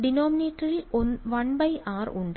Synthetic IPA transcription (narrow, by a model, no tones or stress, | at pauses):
ɖinoːmineːʈːɐɾiʔonʋɐɳbɐjʔaːruɳɖ